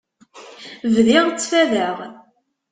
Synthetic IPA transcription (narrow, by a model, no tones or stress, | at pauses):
vðɪʁt͡sːfæðəʁ